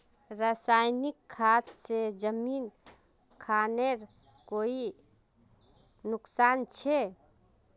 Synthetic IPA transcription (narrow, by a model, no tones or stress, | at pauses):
ɾasajnikʰːat̪sed͡ʒəmin | kʰaneɾ | koi | nʊksant͡ʃʰe